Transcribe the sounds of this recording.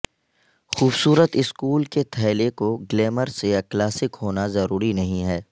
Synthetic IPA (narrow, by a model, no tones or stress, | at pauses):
xuːbsuːɾət̪ɪskuːlket̪ʰɛːlekoɡleːməɾseklaːsɪkɦoːnazɐɾuːɾinɐɦĩɦɛː